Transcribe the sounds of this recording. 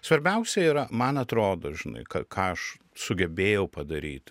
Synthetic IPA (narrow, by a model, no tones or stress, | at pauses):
sʋɐɾʲbʲɛʊsʲɛiːɾɐmɐnɐt̪ɾoːd̪oːʒʲɪnɐ̰ɪkɐ̰kɑːɐʃ | sʊɡʲɛbʲeːjɛʊpɐd̪ɐɾʲḭːt̪